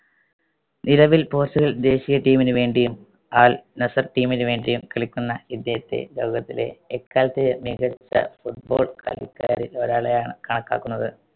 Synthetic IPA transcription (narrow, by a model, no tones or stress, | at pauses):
niɾɐʋilpo̞ːrsuɣɐɭd̪e̞ːɕijɐʈiːminɨʋe̞ːɳɖijum | aːlnɐsɐrʈiːminɨʋe̞ːɳɖijumkɐɭikʲːunːɐid̪jɐjɐt̪ːe̞̰lo̞ːɡɐt̪ːile̞̰ːkːaːlɐt̪ːemiɣɐt͡ɕːɐ̰fuʈ̚bo̞ːɭkɐ̰likːa̰ːɾilo̞ɾaːɭɐjaːɳɨkɐɳɐkːa̰ːkːunːɐðɨ